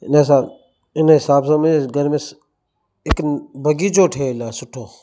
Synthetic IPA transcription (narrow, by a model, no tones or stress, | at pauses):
ɪnes̬aː | ɪnɦɪsaːbsãːməeɡəɾmẽːs | ɪkbəɡiːt͡ʃoːʈʰeːlaːsʊʈʰːoː